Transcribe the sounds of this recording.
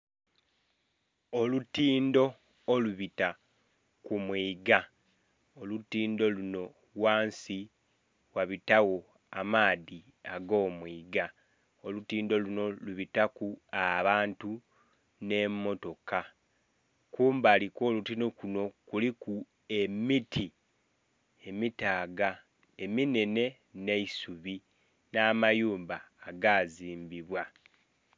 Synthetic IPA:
olutiːndo̞ː | luβita | kumwiːɡa | olutiːndo̞luno̞ | waːnsi | waβitawo̞ | amaːði | aɡo̞ːmwiːɡa | olutiːndo̞luno̞luβitakuaβaːntu | ne̞mːo̞to̞ka | kuːmbaːliko̞ːlutinokuno̞kuliku | e̞mitʰi | e̞mitaːɡa | e̞mine̞ne̞ | ne̞isuβi | naːmajuːmbaːɡaːziːmbiβwa

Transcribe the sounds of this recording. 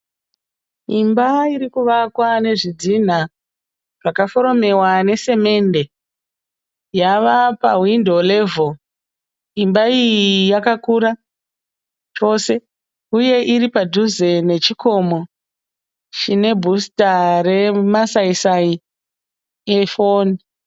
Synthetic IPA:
imbaiɾikuʋakwane̞ʐid͡zin̤a | ʐakafo̞ɾo̞me̞wane̞se̞me̞nde̞ | jaʋapawindole̞vo | imbaijijakakuɾa | t͡ʃo̞se̞ | uje̞ʔiɾipadʱuzene̞t͡ʃiko̞mo̞ | t͡ʃine̞bʱustare̞masaisai | efon

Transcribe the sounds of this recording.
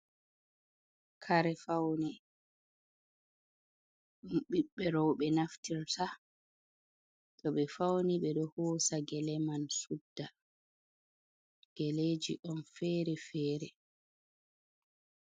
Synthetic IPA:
kʰaɾɛfawnɛ | ɗumɓiɓːɛɾɔwɓɛnaftiɾtʰa | tɔɓɛfawniɓɛɗɔhoːsaɡɛlɛmansudːa | ɡ̥ɛleːd͡ʒiʔɔnfɛːɾɛfɛːɾɛ

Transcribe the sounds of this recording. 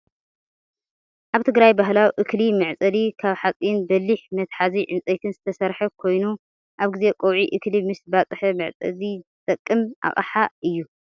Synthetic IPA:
ʔaβt̪ʰɨɡɾajbaɦlawʔɨklimɨʕt͡sʼɐlikʰaβħat͡sʼinbɐlːiħmɐt̪ħaziʕɨnt͡sʼɐjt̪ʰɨnzɨt̪ʰɐsɐɾħɐkʰo̞jnu | ʔaβɡɨze̞kʼowʕiʔɨklimɨsbat͡sʼħɐmɨʕt͡sʼɐ̰zit̪ʼɐkʼːɨmʔa̰χʼɐ̰ħaʔɨjːu

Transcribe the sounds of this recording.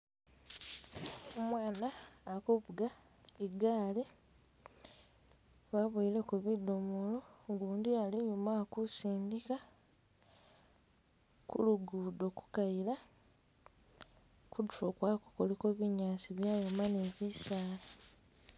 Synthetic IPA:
omwaːnaːkuβuɡa | iɡaːle | βaβuilekuβidomuloŋɡuːndijaliɲumakusiːndika | kṵluɡudo̞ku̥kajila | kuduokwaːku̥kolekoβiɲaːsiβjaːjomaneβisaːla

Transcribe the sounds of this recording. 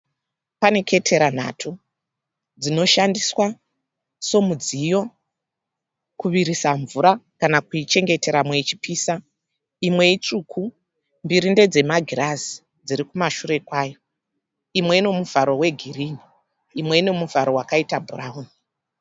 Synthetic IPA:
pane̞ke̞tʰe̞ɾan̤a̰tʰu | d͡zino̞ʃandiswa | so̞mud͡zijo̞ | kuʋiɾisaɱvuɾakanakuit͡ʃe̞ŋɡe̞te̞ɾamwe̞it͡ʃi̥pʰiːsa | imwe̞it͡ʂukʰu | mbiɾinde̞d͡ze̞maɡʱirazi̥ | d͡ziɾikumaʃuɾe̞kwaːjo̞ | imwe̞ine̞muvaɾo̞we̞ɡʱiriniː | mwe̞ine̞muvaɾo̞wakaitabʱuraɦuːni

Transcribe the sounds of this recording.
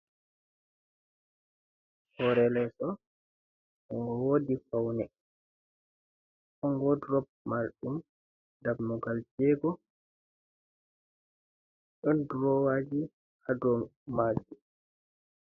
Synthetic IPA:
hɔɾɛlɛsɔ | ʔɔŋɡɔwoːdifawnɛ | ʔɔŋɡɔdɾɔb̚ | maɾɗum | dabmɔɡald͡ʒɛːɡɔ | ɗɔnduɾɔwad͡ʒi | hadɔmad͡ʒu

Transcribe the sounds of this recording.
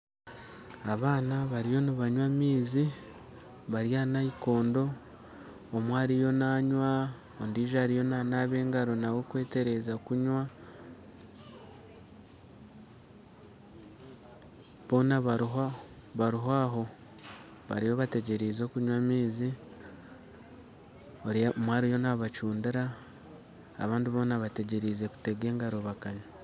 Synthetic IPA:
aβaːnaβaɾijo̞niβaɲwamiːzi | βaɾjaːnaiko̞ːndo̞ː | mwaːɾijo̞naːɲwa | ondiːʒaːɾijo̞nanaβe̞ːŋɡaɾo̞nawo̞kwe̞ːte̞ɾe̞zakuɲwa | βo̞ːnaβaɾ | βaɾiɦaːɦo̞ | βa̰ɾijoβate̞ɟe̞ɾiːzo̞kuɲwamiːzi | oɾimwaːɾijo̞naβat͡ʃuːndiɾa | βaːndiβo̞ːnaβate̞ɟe̞ɾiːze̞ku̥te̞ɡe̞ːŋɡaɾo̞βakaɲa

